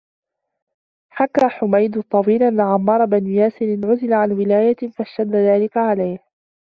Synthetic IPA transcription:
ħakːaːħʊmajd̪ʊt̪ˤːɑwiːlʔanːaʕamːɑːɾˤɑbanjaːsɪɾɪnʕʊzɪlaʕanwɪlaːjafaʃt̪ad̪ːaðaːlɪkaʕalajh

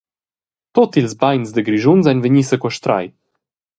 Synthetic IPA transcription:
t̪ɔt̪ilzbajnzd̪əɡɾiʒunzɛnvəɲisəkwaʃt̪ɾa̰j

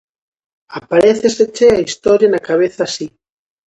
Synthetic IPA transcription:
apaɾeθeset͡ʃeaist̪ɔɾjanakaβ̞eθasi

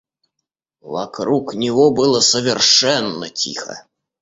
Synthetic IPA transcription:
va̰kɾuknʲɪvɔbɨlˠəsəvʲɪrʂɛnːə̰t͡sʲḭxɐ̰

